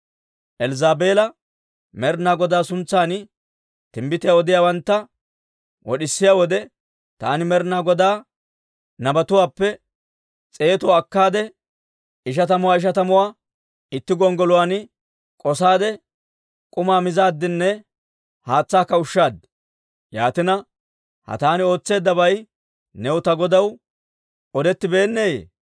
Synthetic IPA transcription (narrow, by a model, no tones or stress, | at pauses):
ʔɛlzaːbe̞ːlɐ | mɛɾnaːɡɔd̪aːsʊnt͡sːaːnɪ | t̪ɪmbɪt̪ɪjaːɔd̪ɪjaːwɐnt̪ːɐ | wʔɔɗɪsːɪjaːwɔd̪ɛ | t̪aːnɪmɛɾnaːɡɔd̪aː | nɐbɐt̪ʊwaːpːɛ | t͡sʼeːt̪ʊwaːkːaːd̪ɛ | ɪʃ̬ɐt̪ɐmʊwaːɪʃ̬ɐt̪ɐmʊwaː | ɪt̪ːɪɡɔŋɡɔlʊwaːn | kʼɔsaːd̪ɛ | kʼʊmaːmɪzaːd̪ːɪnːɛ | haːt͡sːaːkːɐʊʃːaːd̪ | jaːt̪ɪnɐ | hɐ̰t̪aːnɪo̞ːt͡sːe̞ːd̪ːɐbɐj | nɛwʊt̪ɐɡɔd̪ɐw | ɔd̪ɛt̪ːɪbe̞ːnːeːjḛː